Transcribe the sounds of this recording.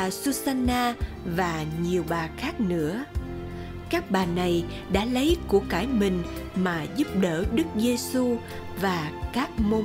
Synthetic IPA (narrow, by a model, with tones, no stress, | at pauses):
a˨˩su˧zaː˧naː˧ | vaː˨˩ɲi˨˩əwɓaː˨˩xaː˦˥k̚nɨ̰˧˥ə | kaː˦˥k̚ɓaː˨˩na˨˩j | ɗa̰ː˧˥lə˨˦jku˧˩əkaː˧˩jmï˨˩ŋ̟ | maː˨˩zu˦˥p̚ɗəː˧˩ɗɨ˦˥k̚ze˧su˧ | vaː˨˩kaː˦˥k̚mo˧